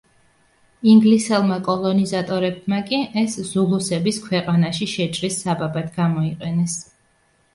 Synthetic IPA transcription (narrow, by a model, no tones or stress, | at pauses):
iŋɡlisɛlˠmakʼɔlˠɔnizat̪ʼɔɾɛb̚makʼiʔɛszulˠusɛbiskʰwɛqʼanaʃiʃɛt͡ʃʼɾisːababat̪ʰɡamɔiqʼɛnɛs